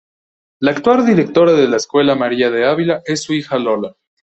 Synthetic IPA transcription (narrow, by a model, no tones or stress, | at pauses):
laːkt̪wald̪iɾe̞k̚t̪o̞ɾaðe̞laeskwe̞lamaɾiaðe̞aβilaʔe̞sːuixalo̞la